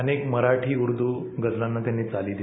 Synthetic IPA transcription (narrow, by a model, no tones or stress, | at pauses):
ənekməɾaʈʰiːuɾd̪uː | ɡəd͡zlanːat̪janːiːt͡saliːd̪i